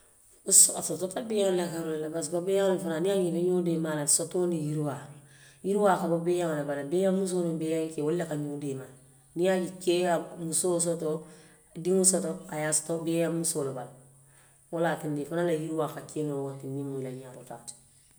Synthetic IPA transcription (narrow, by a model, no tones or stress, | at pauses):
usasototabejanlakaɾollabasbabejaŋnafananiaɲikaɲoːdemalasotonijiɾwajiɾwakababejaŋlabalabejamːus̬onobejaŋkewolːekaɲodema | nijaɟikeamusos̬oto | adiŋusotoajastobejamusolobal | wolaːtindifanalajiɾwakakenowatinːimuilaɲatotat